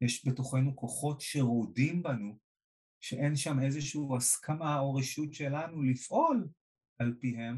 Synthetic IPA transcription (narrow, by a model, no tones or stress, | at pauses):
jeʃbe̞to̞χe̞nuko̞χo̞tʃe̞ʁodimbanu | ʃe̞ʔe̞nʃame̞zeʃuuːaskʰamao̞ʁeʃutʃe̞lanulifʔo̞l | ʔalpiɦe̞m